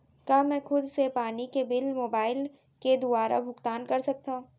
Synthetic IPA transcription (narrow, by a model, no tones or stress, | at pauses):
kaːmɛ̃ːxʊd̪sepaːnikebɪlmoːbaːɪl | ked̪ʊaːɾʔa̰bʱʊkt̪aːnkɐɾsɐk̚t̪aɦũː